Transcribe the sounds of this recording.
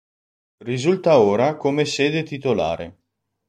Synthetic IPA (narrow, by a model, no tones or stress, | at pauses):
rizult̪aoːɾakomeseːd̪et̪it̪ola̰ːɾḛ